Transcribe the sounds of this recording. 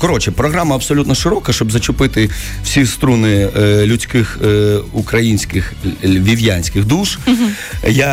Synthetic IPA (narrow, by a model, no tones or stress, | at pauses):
kɔɾɔt͡ʃɛpɾɔɣɾamɐɐbsɔlʲut̪nɔʃɪɾɔkɐʃt͡ʃɔbzɐt͡ʃʊpɪt̪ɪ | w̥sʲist̪ɾunɪlʲʊt͡sʲkɪxukɾɐjinʲsʲkɪxʋʲiʋʲjanʲsʲkɪɣd̪uʃ | ja